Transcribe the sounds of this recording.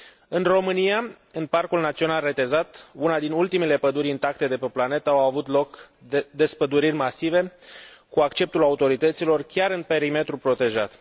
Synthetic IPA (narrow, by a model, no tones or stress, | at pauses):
ɨnro̞mɨnija | ɨnparkulnat̪sio̞nalre̞t̪e̞zat̪unad̪inult̪imele̞pəd̪uɾʲint̪ak̚t̪e̞d̪e̞peplane̞t̪aawavut̪lo̞kd̪e̞spəd̪uɾirʲmasive̞kuakt͡ʃe̞p̚t̪ulaut̪o̞ɾit̪ət̪silo̞rkʲaɾɨnpe̞ɾime̞t̪ɾupɾo̞t̪e̞ʒat̪